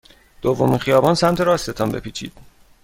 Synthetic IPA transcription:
d̪̥ovːo̞miːnχijɒːbɒːnsæmt̪ʰeɾɒːset̪ʰɒmbe̞̰pʰiːt͡ʃʰḭːd̪̥

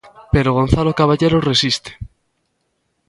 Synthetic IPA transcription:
peɾoɣonθalokaβaʎeɾoresist̪e̥

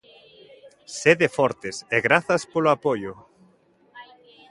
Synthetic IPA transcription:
seðefɔɾt̪ɪseɣɾaθɐspoloapojʊ

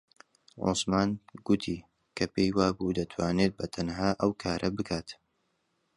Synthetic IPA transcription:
ʕo̰smaːnɡʊt̪ʰi | kʰɐpejwaːbud̪ɐt̪ʰwaːneːt̪̚bɐt̪ʰɐnhaːʔɐwkʰaːɾʔɐbɨkʰaːt̪

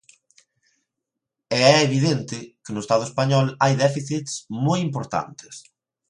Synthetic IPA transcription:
ɛɛeβiðɛnt̪ɪkɪnʊest̪aðʊespaɲɔlajðɛfiθit̪smojimpoɾt̪a̰nt̪ɪ̥s

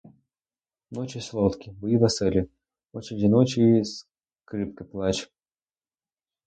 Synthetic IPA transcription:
not͡ɕɪsʲlˠot̪kʲɪbɨid̪ɐsɛlʲɪ | ot͡ɕɪɾʲɪdʲɪnot͡ɕɪs | kɾɨp̚kɨplˠat͡ɕ

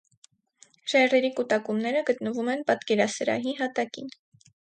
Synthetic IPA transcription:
ʃɛrɛɾikut̪ɑkumnɛɾəɡət̪nəvumɛnpɑt̪kɛɾɑsəɾɑ̰ɦiɦɑt̪ɑkḭn

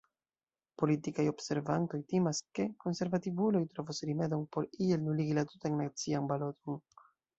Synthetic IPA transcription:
po̞litikajo̞bse̞ɾvanto̞jtimaske̞ko̞nse̞ɾvativulo̞jtɾo̞vusɾime̞do̞npo̞ɾie̞lnuliɡilatutaŋnat͡sianbalo̞to̞n

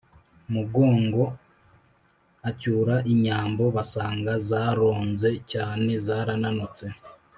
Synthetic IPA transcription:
muɡo̞ːŋɡo̞ | acuːɾaʔiɲaːmbo̞βasaːŋɡazaːɾo̞ːnze̞caːne̞zaːɾananut͡se̞

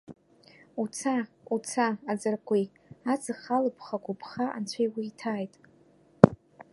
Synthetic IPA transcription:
ut͡sʰa | ut͡sʰaad͡zɨrkʷʼi | at͡sʰɨχalɨpʰχakʷupʰχaʔa̰nt͡ɕʷʰejwiːtʰaːjtʼ

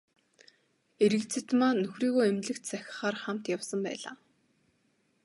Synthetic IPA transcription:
eɾɘ̆kt͡sʰĕt̪maːnɵxriːɣoːemɮɘ̆kt̪t͡sæxʲɪ̥̆χaːrχam̥t̪jawsə̆mpæ̰ːɮa̰ː

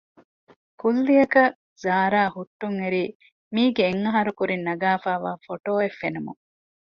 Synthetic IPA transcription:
kulːijɐkɐ | zaːɾaːhuʈːuŋeɾiː | miːɡeːŋːɐɦɐɾukuɾinːɐɡaːfaːʋaːfoʈoːefːenumṵŋ

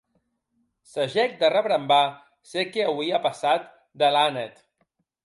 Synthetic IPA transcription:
səʒɛk̚d̪ərəβɾəmba | sekeawiapəsat̪̚ | d̪əlanet̪

